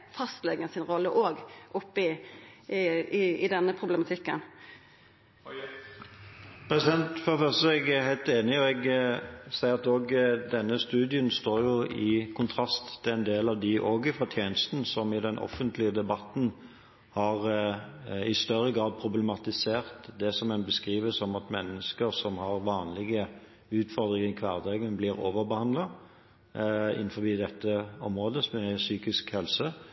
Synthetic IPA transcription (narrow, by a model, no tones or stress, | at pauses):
fɑst̪lɛɡəsɪnɾɔlːəʔoːɡʔʊpːəɪ | ɪd̪ɛnːəpʰʁʊbləmɑt̪ʰɪkːə̰n | pʰɾɛsɪd̪ɛnt̪fɔɾəfœʁst̪əɛɡæhæɪlt̪eːnɪɔɛɡsæɪəʁɑt̪oːɡd̪ɛnːəst̪ʉːd̪ɪənst̪oːɾjʊɪkʰʊnt̪ʰʁɑst̪ʰːɪænd̪eːlɑʋd̪ɪʔoːɡɪfɔɾt̪ʰjeːnəst̪n̩sɔmɪd̪ɛnʔɔ̰fːənt̪lɪəd̪ɛbɑt̪n̩ | hɑʁ | ɪst̪œʁːəɡʁɑːd̪̚pʰʁʊblɛmɑt̪ɪseːʁt̪d̪ɛsɔmɛnbəskʁiːʋəsɔmɑt̪mɛnːəskəɾsɔmhɑʁʋɑːnlɪɡə | ʉːt̪fɔʁd̪ɾɪŋɪkʰʋɑːʁd̪ɛɡənblɪːɾo̰ːʋəɾbəhɑnd̪lɑ | ɪ̰n̩ːfɔbiːd̪ɛt̪ːəɔmʁoːd̪əmɛsyːkɪskhɛlsə